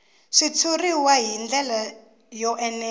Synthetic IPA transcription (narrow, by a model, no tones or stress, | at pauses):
ʂit͡sʰuriwaɦind͡ɮɛla | jɔʔɛnɛ